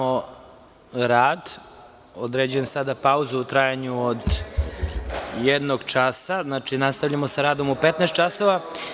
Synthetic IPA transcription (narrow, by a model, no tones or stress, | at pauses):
o | ɾaːd̪ | od̪ɾed͡ʑuje̞msad̪apauzuut̪ɾajaɲuod̪ | jed̪noɡt͡ʃasaznat͡ʃinast̪avʎamosaɾaːd̪omupet̪nɛst̪t͡ʃasoʋa